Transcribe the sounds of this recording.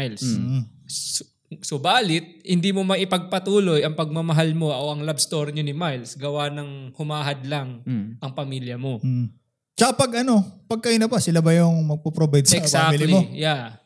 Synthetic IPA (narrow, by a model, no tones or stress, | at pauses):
jls | sobaːlɪt̪̚hɪnd̪iːmomɐʔɪpɐɡ̚pɐt̪uːlo̞jɐŋpɐɡ̚mɐmɐɦalmo̞ʔoʔɐŋlabst̪o̞ɾɲonɪmajlsɡɐwanɐŋhʊmaːɦɐd̪laŋʔɐŋpɐmiljɐmo̞ | t͡ʃɐkapɐɡʔɐno̞pɐɡ̚kɐʔɪnɐpasɪlabɐjʊŋmɐɡ̚popɾobajd̪sɛksaklɐmoja